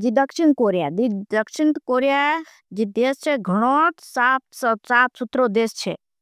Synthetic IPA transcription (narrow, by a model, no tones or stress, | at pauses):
d͡ʒid̪əkʃɪn̚koːɾijad̪id̪ɐkʃɪnt̪koːɾija | d͡ʒid̪eːst͡ʃʰeɡʱɐɽ̃osaːpssaːp̪sut̪ɾod̪eːst͡ʃʰḛ